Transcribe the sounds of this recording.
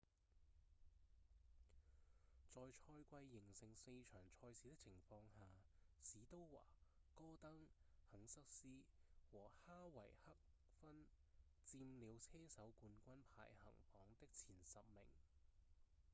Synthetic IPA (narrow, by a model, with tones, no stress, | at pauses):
t͡sɔː˨jt͡ʃʰɔː˧jkʷɐ˧jːɪ˨˩ŋsɪ˨˩ŋse˧jt͡ʃʰœː˨˩ŋt͡ʃʰɔː˧jsiː˨˥t̪ɪ˥k̚t͡sʰɪ˨˩ŋfɔː˧ŋhaː˨siː˨˥t̪o˥wwa̰ː˨˩kɔː˥t̪ɐ˥ŋhɐ˨˥ŋsɐ˥k̚siː˥wɔː˨˩haː˥wɐ˨˩jhɐ˥k̚ | fɐ˥n | t͡siː˧mliː˨˧wt͡sʰɛː˥sɐ˨˥wkuː˧nkʷɐ˥npʰa̰ː˨˩jhɐ̰˨˩ŋfɔː˨˥ŋt̪ɪ˥k̚t͡sʰiː˨˩nsɐ˨p̚mɪ̰˨˩ŋ